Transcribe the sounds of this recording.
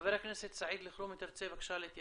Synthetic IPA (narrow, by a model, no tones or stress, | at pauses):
veɾakneset̪saʕiːd̪lɪxɾumet̪ɪɾt͡sebakʃalet̪j